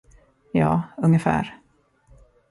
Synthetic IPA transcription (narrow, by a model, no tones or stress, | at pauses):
jɑ̰ːɵŋːəfæ̰ːɾ